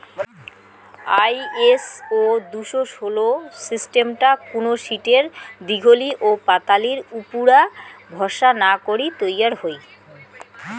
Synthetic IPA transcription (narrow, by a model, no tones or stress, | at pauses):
ajesod̪uʃoʃolosisʈemʈakunoʃiʈeɾd̪iɡʱoliʔopat̪aliɾupuɾabʱɔʃanakoɾit̪ojaɾɦoj